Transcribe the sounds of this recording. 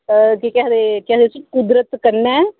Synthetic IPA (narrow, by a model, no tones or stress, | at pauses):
kikɛd̪eːkɛd̪esʊt͡ʃkʊd̪ɾət̪kəɾnɛː